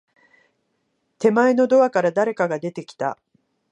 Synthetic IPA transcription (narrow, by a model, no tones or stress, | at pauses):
t̪e̞mae̞no̞d̪o̞βakaɾad̪aɾe̞kaɡad̪e̞t̪e̞kʲi̥t̪a̰